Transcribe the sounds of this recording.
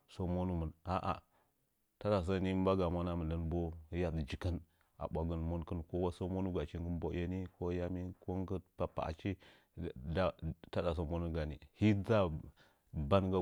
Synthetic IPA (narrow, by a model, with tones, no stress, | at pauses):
so˦mo˦nu˦mə˨na˨ʔa̰˨ | ta˦da˨s̬a˦ni˦ba˦ɡa˨ma˦na˦mə˨nə˦nbo˦ja˦dd͡ʒi˨kə˦n | a̰˨ɓʷa˨ɡə˦nmo˦nkə˦nko˦wa˦so˦mo˦nu˦ɡa˨t͡ʃi˦ŋɡə˦n˦bo˦a˦ni˦ko˦ja˦mi˦ko˦ŋɡə˦pa˨pa̰˨ʔa̰˨t͡ʃi˦˨ | da˦ta˦da˨so˨mo˦nu˦ɡa˨nḭ˨hi˦d͡za˦ | ba˦nɡa˦